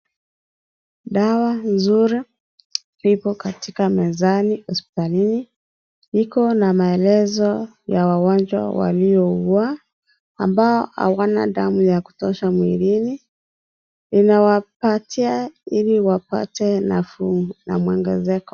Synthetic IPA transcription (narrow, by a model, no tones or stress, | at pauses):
ɗawanzuɾi | lipɔkatikamɛzanihɔspi̥talini | ikɔnamaɛlɛzɔ | jawawand͡ʒwa̰wa̰liɔua | a̰mbaɔha̰wana̰ɗamujaku̥tɔʃamwiɾini | linawapatʰiailiwapa̰tɛnafna̰mwɛŋɡɛ̰zɛkɔ̥